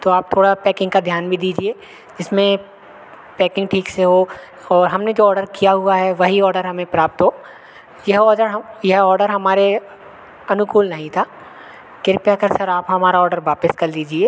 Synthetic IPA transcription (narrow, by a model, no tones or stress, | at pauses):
t̪oaːp̚t̪ʰoːɽapɛːkɪ̃ŋɡkad̪ʱjaːnbʱid̪iːd͡ʒieː | d͡ʒɪsmẽ | pɛːkɪ̃ŋɡʈʰiːkseɦo | ɔːɾɦɐmned͡ʒoːɔːɾɖəɾkijaɦʊaɦɛʋɐɦiɔːɾɖəɾɦɐmẽpɾaːp̚t̪ɦoː | jɐɦɔːɖəɾɦjɐɦɔːɾɖəɾɦɐmaːɾe | ɐnʊkuːlnɐɦĩt̪ʰaː | kɪɾpjakɐɾsɐɾaːpɦɐmaːɾaɔːɾɖəɾʋaːpɪskɐɾd̪iːd͡ʒieː